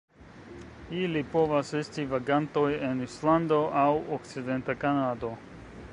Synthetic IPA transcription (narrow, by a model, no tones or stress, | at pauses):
ilipo̞vase̞stivaɡanto̞je̞nisland̪o̞ʔawokt͡side̞ntakanado̞